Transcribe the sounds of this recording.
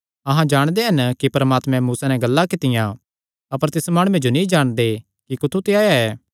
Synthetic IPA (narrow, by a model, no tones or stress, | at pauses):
ɐɦãd͡ʒaːɽ̃d̪eɦɐnkipɐɾəmaːt̪mɛ̃muːsanɛ̃ɡɐlːakɪt̪ɪjã | ɐpəɾt̪ɪsmaːɽ̃uːẽd͡ʒonĩd͡ʒaːɽ̃d̪e | kikʊt̪ʰut̪eaːjaɛː